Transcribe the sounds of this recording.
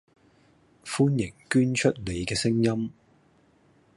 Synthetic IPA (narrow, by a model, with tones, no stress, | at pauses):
fuː˥njɪ˨˩ŋkyː˥nt͡ʃʰɵ˥t̚le˨˧jkɛː˧sɪ˥ŋjɐ˥m